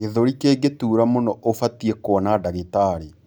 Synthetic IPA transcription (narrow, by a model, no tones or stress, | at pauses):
keðoɾikeːɡetuːɾamonɔʔofatiekwɔnadaɣetaɾe